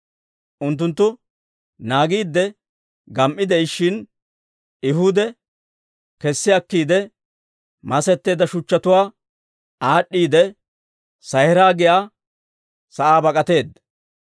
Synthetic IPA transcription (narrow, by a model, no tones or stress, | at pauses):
ʔʊnt̪ːʊnt̪ːʊ | naːɡiːd̪ːɛ | ɡɐmʔɪd̪ɛɪʃɪn | ɪɦʊd̪ɛ | kɛsːɪɐkːiːd̪ɛ | mɐsɛt̪ːe̞ːd̪ɐʃʊt͡ʃːɐt̪ʊwaː | aːɗːiːd̪ɛ | sɐjhɪɾaːɡɪjaː | sɐʔaːbɐkʼɐt̪e̞ːd̪ɐ